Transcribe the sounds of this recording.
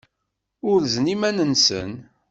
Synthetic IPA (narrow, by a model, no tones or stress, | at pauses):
ʊɾznimænənsə̰n